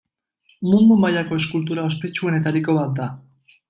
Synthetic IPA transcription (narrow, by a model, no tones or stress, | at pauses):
mund̪umaʎako̞e̞skult̪uɾao̞spe̞t͡ʃue̞ne̞t̪aɾiko̞βat̪̚d̪a